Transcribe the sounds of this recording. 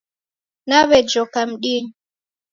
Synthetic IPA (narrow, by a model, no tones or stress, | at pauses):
naβɛd͡ʒɔkam̩ɗiŋ